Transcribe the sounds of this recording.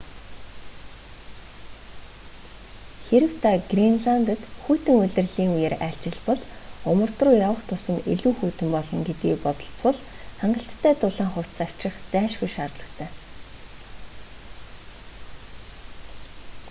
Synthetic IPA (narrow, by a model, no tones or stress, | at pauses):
xeɾɘ̆w̥t̪ʰaɡrinɮant̪ə̆t̪xuːt̪ɘ̆ŋʊɮʲɘ̆rɮiːŋujeːɾæɬt͡ɕɪ̆ɮpɔɮʊmə̆rt̪rʊːjawə̆χt̪ʰʊsə̆neɮuːxuːt̪ɘ̆mpɔɮɞ̆ŋɡet̪ɡiːpɔt̪ɞ̆ɬt͡swʊɮ | χaɴɢə̆ɬt̪ʰːæːt̪ʊɮaːŋχʊw̥t̪saw̥t͡ɕɪ̆χt͡sæːʃxujʃaːrt̪ɮə̆t̪ʰæː